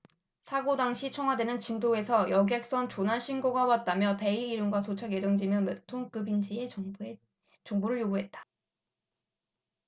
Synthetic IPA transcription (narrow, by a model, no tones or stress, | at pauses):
sʰaɡodaŋɕʰit͡ɕʰʌŋɦwadwe̞nɯnt͡ɕindoe̞sʰʌjʌɡe̞k̚s͈ʌnt͡ɕonɦaɭɕʰinɡoɡawat̚t͈amjʌpe̞iːɾɯmɡwatot͡ɕʰaɡe̞d͡ʑʌŋd͡ʑimjʌnmɯtʰoŋk͈ɯbind͡ʑie̞ | t͡ɕʌŋboɾɯɭjoɡuɦe̞t̚t͈ḁ